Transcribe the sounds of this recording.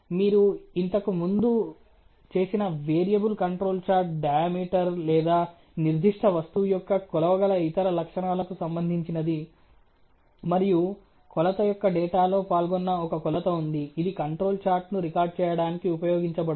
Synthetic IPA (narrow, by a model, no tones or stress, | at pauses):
miːɾuint̪ɐkumund̪u | t͡ʃe̞ːsinɐʋeːɾijɐbulkɐɳʈɾo̞ːlt͡ʃaːɾʈ̚ɖɐjaːmiːʈɐɾlɛːd̪aː | niɾd̪ʱiʂʈʰɐʋɐst̪ujɔkːɐkɔlɐʋɐɡɐlɐit̪ɐɾɐlɐkʂɐɳaːlɐkusɐmbɐnd̪ʱiɲt͡ʃinɐd̪i | mɐɾiju | kɔlɐt̪ɐjɔkːɐɖɛːʈaːlo̞ːpaːlɡɔnːɐɔkɐkɔlɐt̪ɐund̪iːd̪ikɐɳʈɾo̞ːlt͡ʃaːɾʈnuɾikaːɾɖ̚t͡ʃɛːjɐɽaːnikiupɐjoːɡiɲt͡ʃɐbɐɽ